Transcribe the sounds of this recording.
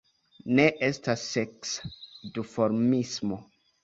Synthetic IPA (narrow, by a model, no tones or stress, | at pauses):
ne̞ʔestasːeksdifo̞ɾmismo̞